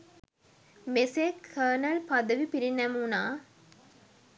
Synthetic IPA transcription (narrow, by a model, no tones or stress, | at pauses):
meseːkʰːɐnɐlpɐd̪ɐʋipiɾinɐmuːnaː